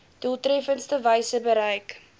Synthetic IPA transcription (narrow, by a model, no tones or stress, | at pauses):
d̥ulˠtrɛfənstəvəjsəbəɾəjk